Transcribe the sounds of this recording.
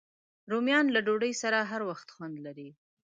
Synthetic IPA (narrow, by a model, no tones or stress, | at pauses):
ɾomjɑnlaɖoɖəjsaɾaɦaɾwaxt̪xwand̪laɾi